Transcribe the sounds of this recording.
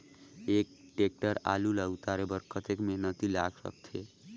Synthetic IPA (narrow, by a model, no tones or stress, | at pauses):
ek̚ʈek̚ʈəɾa̰lulət̪aɾebəɾkət̪ekmenət̪ila̰ɡsə̰k̚t̪ʰe